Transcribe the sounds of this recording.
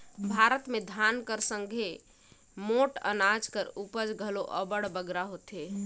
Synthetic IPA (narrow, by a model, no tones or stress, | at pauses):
bʱaɾət̪med̪ʱankəɾsəŋɡʱe | moʈə̰nad͡ʒkəɾupəd͡ʒɡʱəloʔəbəɽbəɡɾaɦot̪e